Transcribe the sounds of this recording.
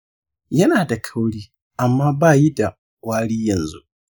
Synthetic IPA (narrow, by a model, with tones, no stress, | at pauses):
jɐ˦naː˨da˨kʰɐ˦wɽiː˦ | ʔa˨mːaː˦baː˦˨ji˦da˨ | waː˦ɽiː˦jɐ˨nzṵ˦ʔ